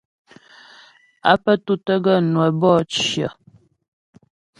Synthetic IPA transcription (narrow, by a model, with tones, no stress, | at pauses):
a̰˦pə˦tu˦tə˦ɡə˦˨nwə˨bɔ˦˨t͡ʃjə̰˨